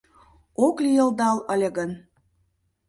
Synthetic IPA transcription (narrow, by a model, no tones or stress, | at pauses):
oklijə̆ld̪ɑləlʲeɣən